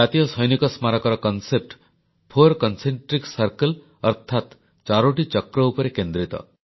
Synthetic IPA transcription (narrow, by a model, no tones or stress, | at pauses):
at̪ijɔsɔjnikɔsmaɾɔkɔɾɔkɔnsep̚ʈ | pʰoɾkɔnseɳʈɾiksɐɾkel | ɔɾt̪ʰat̪ | t͡ʃaɾoʈit͡ʃɔkɾɔupɔɾekend̪ɾit̪ɔ̰